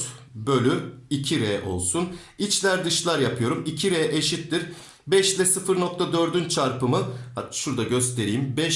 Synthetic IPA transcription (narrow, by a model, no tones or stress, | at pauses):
bø̞lʲyicʰiɾeɛʔo̞̰lˠsun | it͡ʃlʲæɾd̪ɯʃlˠaɾjapʰɯjo̞ɾumicʰiɾejɛʔeʃit̪ːiɾ | bɛʃlʲɛsɯfɯɾno̞k̚t̪ʰad̪ø̞ɾd̪ynt͡ʃʰaɾpɯmɯʃuɾd̪aɟø̞st̪ʰe̞ɾiːimbɛ